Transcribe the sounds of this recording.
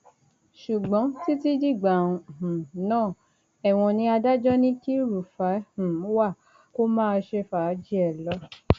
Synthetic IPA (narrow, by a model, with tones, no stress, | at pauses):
ʃu˨ɡ͡bɔ̃˨˦ti˦ti˦d͡ʒi˦˨ɡ͡ba˨ũ˧˨hũ˨nãː˦˨ | ɛ˨w̃ɔ̃˧nĩ˧a˧da˦d͡ʒɔ˦nĩ˦ki˦ɾu˨fa˨˦hũ˨˦wa˦˨ | ko˦mãː˦˧ʃe˧fa˨˦d͡ʒi˦ɛ˨lɔ˨˦